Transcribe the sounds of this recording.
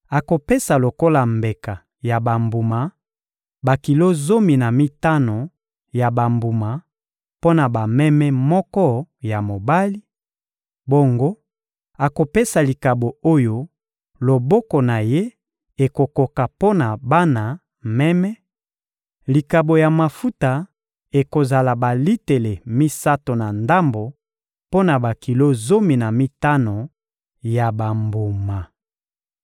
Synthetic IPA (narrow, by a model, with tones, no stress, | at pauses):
a˨ko˨pe˦sa˨lo˨ko˦la˨mbe˨ka˨ | ja˨ba˨mbu˨ma˨ | ba˨ki˨lo˦zo˦mi˨na˨mi˦ta˦no˨ | ja˨ba˨mbu˨ma˨ | po˦na˨ba˨mɛ˦mɛ˦mɔ˦kɔ˦ja˨mo˨ba˦li˦ | bo˦ŋɡo˦ | a˨ko˨pe˦sa˨li˨ka˨bo˨o˦jo˦ | lo˨bɔ˦ko˨na˨je˦ | e˨ko˨ko˨ka˨po˦na˨ba˦na˨ | mɛ˦mɛ˦ | li˨ka˨bo˨ja˨ma˨fu˦ta˨ | e˨ko˨za˨la˨ba˨li˦te˨le˨mi˦sa˦to˨na˨nda˦mbo˨ | po˦na˨ba˨ki˨lo˦zo˦mi˨na˨mi˦ta˦no˨ | ja˨ba˨mbo˨ma˨